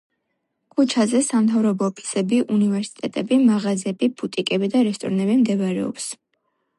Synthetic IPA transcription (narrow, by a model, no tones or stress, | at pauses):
kʰʼut͡ʃʰazɛsamt̪ʰavɾɔbɔːpʰi̥sɛbiʔunivɛɾsi̥t̪ʼɛt̪ʼɛbimaʁazɛbibʰut̪ʼikʼɛbid̪aɾɛst̪ʼɔ̰ɾnɛbimd̪ɛvaɾɛ̰ɔ̰ps